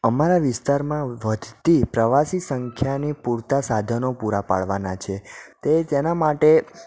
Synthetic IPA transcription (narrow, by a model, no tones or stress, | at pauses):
əmaɾaʋɪst̪aɾmãʋəd̪ʱt̪ipɾəʋasisəŋkʰjanipuɾt̪asad̪ʱənopuɾapa̰ɭʋanat͡ʃʰet̪et̪enamaʈe